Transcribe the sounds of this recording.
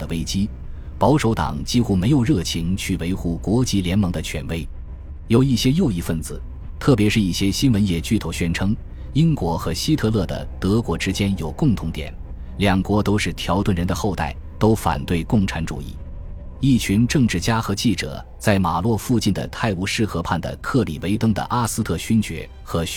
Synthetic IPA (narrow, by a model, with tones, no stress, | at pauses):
d̪ə˦˧we˥ɪt͡ɕi˥ | pɑ˧˥ʊʂo˧˥ʊt̪ɑ̰˨˩ŋt͡ɕi˥xu˥˩me˧˥ɪjo˨˩ʊɻɤ˥˩t͡ɕʰi˧˥ŋt͡ɕʰy˥˩we˧˥ɪxu˥˩kwɔ˧˥t͡ɕi˧˥ljɛ˧˥nmɑ˧˥ŋd̪ə˧t͡ɕʰɥɛ̰˧˥nwe˥ɪ | jo˨˩ʊi˥˩ɕjɛ˥jo˥˧ʊi˥˧fə˥˩nd͡zɹ̩˩ | t̪ʰɤ˥˩p̬jɛ˧˥ʂɻ̩˥˧i˥˩ɕjɛ˥ɕi˥nwə˧˥njɛ˥˩t͡ɕy˥˩t̪ʰo˧˥˩ʊɕɥɛ˥nʈ͡ʂʰɤ˥ŋ | i˥nkwɔ˧˥xɤ˧˥ɕi˥t̪ʰɤ˥˧lɤ˥˩d̪ə̰˩t̪ɤ˧˥kwɔ˧˥ʈ͡ʂɻ̩˥t͡ɕjɛ˥njo˨˩ʊkʊ˥˩ŋt̪ʰʊ˧˥ŋt̪jɛ̰˨˩˦n | ljɑ˨˩ŋkwɔ˧˥t̪o˥ʊʂɻ̩˥˩t̪ʰjɑ˧˥ʊt̪wə˥˩nɻə˧˥nd̪ə˧xo˥˧ʊt̪a̰˥˩ɪt̪o˥ʊfa̰˨˩nt̪we˥˩ɪkʊ˥˩ŋʈ͡ʂʰa˧˥nʈ͡ʂṵ˨˩ḭ˥˩ | i˥˩t͡ɕʰy˧˥nʈ͡ʂɤ˥˧ŋʈ͡ʂɻ̩˥˩t͡ɕja˥xɤ˧˥t͡ɕi˥˩ʈ͡ʂɤ̰˨˩˦ | t͡sa˥˩ɪma˨˩lwɔ˥˧fu˥˧t͡ɕi˥˩nd̪ə̰˩t̪ʰa˥˩ɪu˧˥ʂɻ̩˥˩xɤ˧˥pʰa˥˩nd̪ə̰˩kʰɤ˥˩lḭ˨˩we˧˥ɪt̪ɤ˥ŋd̪ə̰˨ʔa˥sɹ̩˥t̪ʰɤ˥˩ɕy˥nt͡ɕɥɛ̰˧˥ | xɤ˧˥